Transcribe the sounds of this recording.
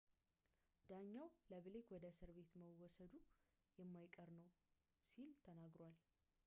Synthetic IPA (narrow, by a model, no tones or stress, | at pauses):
d̪aɲːawləβɨlekwɔd̪əsɨɾβe̞t̪məwɔsəd̪u | jɛmːajkʼəɾnəw | silt̪ʰənaɡɾal